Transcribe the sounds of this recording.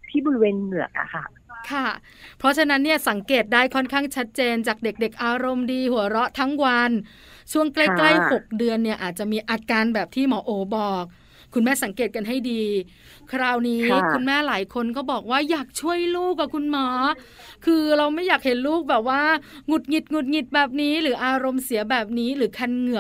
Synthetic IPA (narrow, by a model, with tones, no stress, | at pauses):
t̪ʰiː˥˩bu˨˧weː˧nmɯ˨˩ɐək̚a̰˧˩kʰa˥˩ | kʰa˥˩ | pʰɾɔ˦˥t͡ɕʰa˧na˦˥nːi˥˩ɐsa˩˦ŋkeː˨˩t̪̚daː˥˩jkʰɔ˥˩nkʰaː˥˩ŋt͡ɕʰa˦˥t̪̚t͡ɕeː˧nt͡ɕaː˨˩k̚de˨˩k̚de˨˩k̚ʔaː˧ɾo˧mdiː˧hu˩˦ɐɾɔ˦˥t̪ʰa˦˥ŋwa˧n | t͡ɕʰu˥˩əŋkla˥˩kla˥˩jho˨˩k̚dɯ˧ənːi˥˩ɐʔaː˨˩t̪̚t͡ɕa˨˩miː˧ʔaː˧kaː˧nbɛː˨˩p̚t̪ʰiː˥˩mɔː˩˦ʔoː˨˩˦bɔː˨˩k̚ʰː | u˧nmɛː˥˩sa˩˦ŋkeː˨˩t̪̚ka˧nɦa˥˩jdiː˧ | kʰɾaː˧˩wniː˦˥kʰu˧nmɛː˥˩laː˩˦jkʰo˧nkɔː˥˩bɔː˨˩k̚waː˥˩jaː˨˩k̚t͡ɕʰu˥˩əjluː˥˩k̚ːa˨˩kʰu˧nmɔː˨˦˥ | kʰɯː˧ɾa˧wma˥˩jaː˨˩k̚he˩˦nluː˥˩k̚bɛː˨˩p̚waː˥˩ŋu˨˩t̪̚ŋi˨˩t̪̚ŋu˨˩t̪̚ŋi˨˩t̪̚bɛː˨˩p̬̚niː˦˥ɾɯː˩˦ʔaː˧ɾo˧msi˨˩˦ɐbɛː˨˩p̚niː˦˥ɾɯː˩˦kʰa˧nŋɯ˨˩